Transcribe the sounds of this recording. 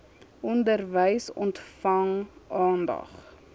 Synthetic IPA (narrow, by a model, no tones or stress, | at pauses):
ʔɔndərvəjsɔntfɐŋɑːndɐ̰χ